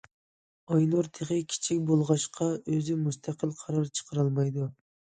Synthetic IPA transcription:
ɑjnuɾt̪ʰeʁɨkʲʰi̥t͡ʃʰikʲbolˠʁɑʃqʰɑøzɪmust̪ʰæqəlˠqʰɑɾɑɾt͡ʃʰə̥qʰəɾɑlˠmɑjd̪u

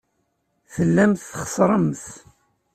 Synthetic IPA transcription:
θəlːæmθχə̥sˤɾˤəmθ

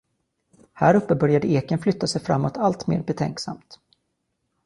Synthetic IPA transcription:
hæ̰ːɾɵpːəbœɾjad̪əeːkənflʏt̪ːasɛjfɾa̰mːɔt̪ʰalt̪mḛːɾbɛt̪ʰɛ̰ŋksa̰mt̪

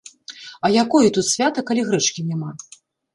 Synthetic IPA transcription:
ɐjakɔjut̪ut̪sʲvʲat̪ɐkalʲiɣɾɛt͡ʂkʲinʲama

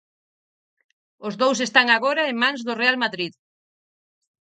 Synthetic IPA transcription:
ʊzðows̬est̪aŋaɣoɾɐeŋmãŋzðʊrealmaðɾið

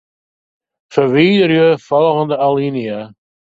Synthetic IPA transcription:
fərʋiːdərjəfɔlˠɣəndəalinia

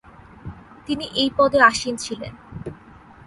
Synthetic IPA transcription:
t̪iniʔejpɔd̪eaʃint͡ɕʰilḛn

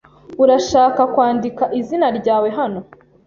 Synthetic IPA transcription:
uɾaʃaːkakwaːndikaʔizinaɾɟaːwe̞ɦano̞

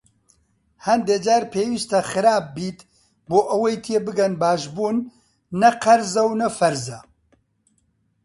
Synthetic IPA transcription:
hɐnd̪eːd͡ʒaːɾpʰeːwiːst̪ɐxɨɾaːp̚ːiːt̪ | boːʔɐwɐjt̪ʰeːbɨɡɐnbaːʃbuːnː | ɐqɐɾzɐwnɐfɐɾzɐ

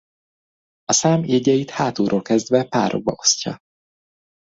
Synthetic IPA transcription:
ɒsaːmeːɟɛjit̪haːt̪uːɾʔoːlkɛzd̪vɛpa̰ːɾʔo̞̰ɡ̚bɒ̰o̞̥scɒ̰

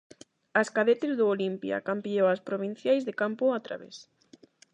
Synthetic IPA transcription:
askaðet̪ezðʊolimpja̰kampiowaspɾoβin̟θjajzðekampʊat̪ɾa̰βḛs

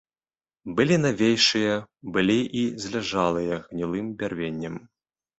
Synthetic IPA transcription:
bɨlʲinavʲejʂɨjɐbɨlʲiʔizʲlʲaʐalˠɨjɐɣnʲilˠɨmbʲarvʲenʲːɐm

